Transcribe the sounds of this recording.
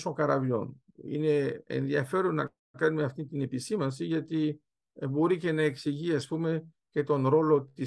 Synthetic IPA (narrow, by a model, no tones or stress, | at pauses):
soŋkɐɾɐvʎo̞̰n | ḭne̞ḛnðiɐfe̞ɾonnːɐ̰ | kɐnumeɐft̪int̪ine̞pisimɐnsiʝɐt̪i | bo̞ɾice̞nɐeksiʝiɐspume̞ | ce̞t̪o̞nɾo̞lo̞t̪i